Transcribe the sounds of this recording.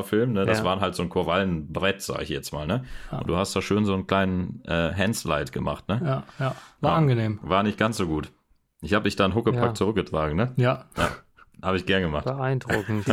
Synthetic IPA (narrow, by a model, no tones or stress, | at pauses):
ɐfɪlmnədasv̥aːɐnɦaltz̥oːnkʰoɐvalənbʁɛtz̥a̰ːɡɪ̰çjɛt͡sma̰ːlnəʔʊnd̥uːhastd̥aːʃøːnzoːnkl̥aɪnənʔɛːɦɛnsla̰ɪtɡ̥əma̰χtnəjajavaanɡəneːmvaːɐnɪçt̚ɡ̥ansz̥oːɡuːt | ʔɪçhaːbədɪçd̥aːnɦʊkəpʰakt͡sʊʁ̞ʏk̚ɡətʁ̥aːɡŋ̩nəjaja̰ː | haːbəɪçɡ̥ɛɐnɡəmaχbəaɪndʁʊkŋ̩t